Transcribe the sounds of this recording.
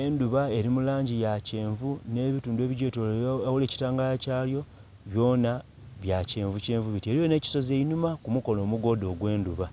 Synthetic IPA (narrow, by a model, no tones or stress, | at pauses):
e̞nduβae̞ɾimulaːɲɟijace̞ːɱvune̞ːβituːndwe̞ːβiɟeːtowole̞ci̥taːŋɡalacaːljo̞ | βjo̞ːna | βjace̞ːɱvuce̞ːɱvuβitieɾijo̞ne̞ːci̥so̞ze̞inumakumuko̞no̞ːmuɡo̞ːdo̞ːɡwe̞ːnduβa